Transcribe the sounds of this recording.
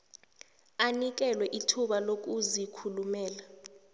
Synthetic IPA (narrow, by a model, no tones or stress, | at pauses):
anik̬ɛlwɛʔitʰuɓalok̬ʼuzikʰulumɛːla